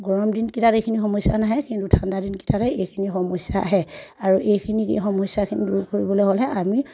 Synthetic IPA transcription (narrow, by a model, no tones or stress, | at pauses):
ɡɔɹɔmdinkitatejkʰinixɔmɔsjanaɦɛkintutʰandadinki̥tatɛejkʰinixɔmɔsjaːɦɛaɹuʔejkʰinikḛxɔmɔsjakʰinḭduɹkoɹibɔlojɦɔlɛʔami